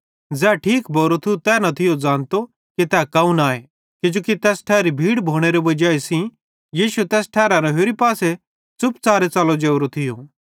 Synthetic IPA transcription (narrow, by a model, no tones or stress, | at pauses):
d͡zɛːʈʰiːkbʱoːɾot̪ʰiut̪ɛːnɐt̪ʰɪjod͡zãːnt̪o | kit̪ɛːkaːũnaːe | kɪd͡ʒoːkit̪ɛːsʈʰɛːɾibʱiːɽbʱoːɽ̃eɾebɐd͡ʒaːisĩ | jiːʃuɛt̪ɛːsʈʰɛːɾãɾɐɦeːɾipaːse | t͡sʊpt͡saːɾet͡saːlod͡ʒeːʊɾot̪ʰɪjo